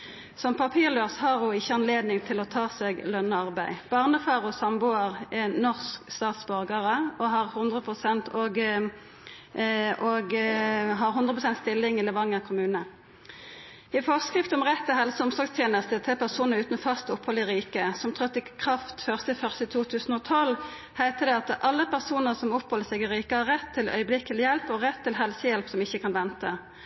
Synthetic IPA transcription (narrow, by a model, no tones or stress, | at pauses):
sɔmpʰɑpʰiːʁløːʁshɑʁjʊɪçːəɑnleːd̪nɪŋt̪ʰɪlɔt̪ʰɑːseɡlœnːəɑʁbæɪb̥ɑːʁnəfɑːʁɔsɑmbʊːəʁɛnɔʁskst̪ɑːt̪sbœʁɡəʁəɔɦɑʁhʊnd̪ʁəpʰʁʊsɛnt̪ɔɡ | ʔoɡɦɑʁhʊnd̪ʁəpʰʁʊsɛnt̪st̪ɪlːɪŋɪləʋɑŋːəʁkʰʊmʉːnə | ɪfɔʁskʁɪft̪ɔmʁɛt̪ʰːɪɦɛlsəʊmsɔʁɡst̪ʰjeːnəst̪ət̪ʰɛlpʰæʁsuːnəʁʉːt̪nfɑst̪ɔphɔlɪʁiːkəsɔmt̪ʰʁœt̪ːɪkʰʁɑft̪føːʁst̪əfœʁsɪt̪ʰuːt̪ʰʉːsn̩ɔt̪ʰɔl | hæɪt̪əd̪ɛɑt̪ʔɑlːəpʰæʁsuːnəʁsɔmɔphɔlːəsɛɡɪʁiːkəhɑʁɛt̪ʰːɪlœ̰ʏəblɪk̪ːɪljɛlpɔʁɛt̪ʰːɪlɦɛlsəjɛlpsɔmɪçːəkʰɑnʋɛnt̪ə